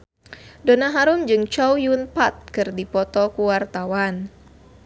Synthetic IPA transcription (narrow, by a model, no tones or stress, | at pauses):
donaɦaɾumd͡ʒɨŋt͡ʃɔwjunpat̪̚kɨrdipɔt̪ɔkuwart̪awan